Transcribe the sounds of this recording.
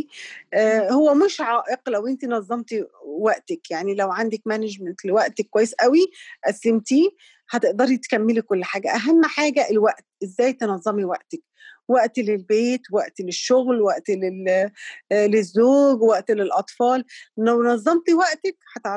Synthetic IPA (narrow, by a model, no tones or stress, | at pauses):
howːæmɪʃʕaːʔɪqlæwʔɪnt̪inɑzˤːɑmt̪iwæʔt̪ɪkjaʕnilæwʕand̪ækmænɪd͡ʒmænt̪lewæʔt̪ekːwæjːesʔæwiʔæslemt̪i | hæt̪eʔd̪ɑɾˤt̪kæmːelikolːħaːɡæʔæɦæmːħaːɡæʔelwæʔt̪ʔezːæːjt̪enɑzˤːɑmiwæʔt̪æk | wæʔt̪lelbeːt̪wæʔt̪leʃːoɣlwæʔt̪le | lezːoːɡwæʔt̪lelʔɑt̪ˤfɑːlnæwnɑzˤːɑmt̪iwæʔt̪ækhæt̪ʕ